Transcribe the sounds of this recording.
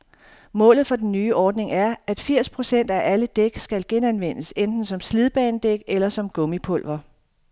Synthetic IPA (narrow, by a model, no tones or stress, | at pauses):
mɔ̰̽ːlð̩ˠfɒ̽d̥en̩ːyːʔɒːd̥ne̝ŋʔæɐæd̥fiɐ̰spʰʁo̝sen̰d̥æʔæləd̥eɡ̥sɡ̥ælɡ̥enænʋen̰əsend̥n̩sɒ̽msliðˠb̥ɛ̰ːnd̥eɡ̥elɐsɒ̽mɡ̥ɔ̽mipʰɔ̽l̰ʋɐ